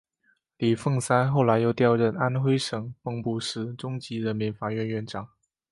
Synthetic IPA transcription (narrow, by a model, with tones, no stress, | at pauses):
li˨˩fɤ˥˩ŋsa˥nxo˥˩ʊla˧˥ɪjo˥˧ʊt̪jɑ˥˧ʊɻə˥˩na˥nxwe˥ɪʂɤ˨˩ŋpɤ˥˧ŋpu˥˩ʂɻ̩˧˥ʈ͡ʂʊ˥ŋt͡ɕi˧˥ɻə˧˥nmi˧˥nfa˨˩ɥɛ˥˧nɥɛ˥˩nʈ͡ʂɑ˨˩˦ŋ